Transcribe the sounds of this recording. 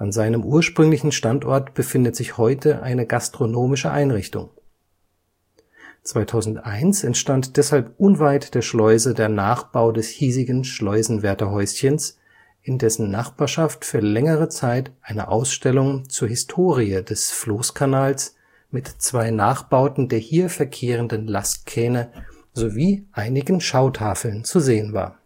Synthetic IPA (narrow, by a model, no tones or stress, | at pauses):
ʔanzaɪnəmʔuːɐʃpʁ̥ʏŋlɪçn̩ʃtantʔɔɐtb̥əfɪndətz̥ɪçhɔʏtʰəʔa̰ɪnəɡastʁ̥onoːmɪʃəʔa̰ɪnʁɪçtʊ̰ŋ | t͡sv̥aɪtʰaʊzn̩tʔaɪnsɛntʃtantd̥ɛshalpʔʊnvaɪtd̥eːɐʃlɔʏzədeːɐnaːχb̥aʊdɛshiːzɪɡn̩ʃlɔʏzn̩vɛɐtɐɦɔʏsçəns | ʔɪndɛsn̩naχb̥aːɐʃaftfyːɐlɛŋəʁət͡saɪtʔaɪnə̰ʔaʊsʃtɛlʊŋt͡suːɐhɪstʰoːʁiədɛsfloːskʰanaːls | mɪtt͡sv̥aɪnaːχb̥aʊtn̩deːɐhiːɐfɛɐkʰeːʁəndənlast̚kʰɛːnə | zoviːʔaɪnɪɡn̩ʃaʊtʰaːfl̩nt͡suzeːənva̰ːɐ